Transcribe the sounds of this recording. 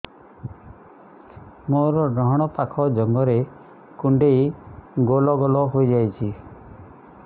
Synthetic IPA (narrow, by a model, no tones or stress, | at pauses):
moɾɔɖɔɦɔɽ̃ɔpakʰɔd͡ʒɔŋɡɔɾe | kuɳɖejɡolɔɡɔlɔɦojd͡ʒajt͡ʃʰi